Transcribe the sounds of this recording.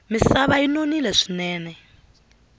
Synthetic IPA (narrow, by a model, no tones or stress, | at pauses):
misaβainonilɛʂi̥nɛːnɛ